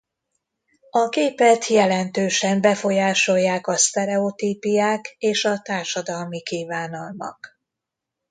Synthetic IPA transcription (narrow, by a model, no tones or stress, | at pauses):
ɒkeːpɛt̪ʰjɛlɛnt̪øːʃɛmbɛfo̞jaːʃo̞jːaːkɒst̪ɛɾɛot̪iːpijaːkeːʃɒt̪aːrʃɒd̪ɒlmikiːvaːnɒlmɒ̰k